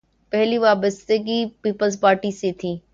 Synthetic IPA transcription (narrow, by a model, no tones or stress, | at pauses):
pɛɦliʋaːbəst̪əɡipiːpəlzpaːɾʈiset̪ʰiː